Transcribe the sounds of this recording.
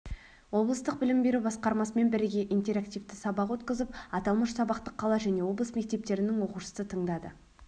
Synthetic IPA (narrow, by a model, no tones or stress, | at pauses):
wo̞blˠəst̪əq̚bɪlɪmbe̞ɾubɑsqɑɾmɑsəme̞nbɪɾɪɡʲe̞ʔijnt̪e̞ɾakt̪ijvt̪ɪsɑbɑqwɵt̪kʲɪzɪpɑt̪ɑlˠməʃsɑbɑqt̪əqʰːɑlˠɑʒæne̞wo̞blˠəsme̞k̚t̪e̞p̚t̪e̞ɾɪnɪŋwo̞quʃə̥sət̪ʰəɴd̪ɑd̪ə̰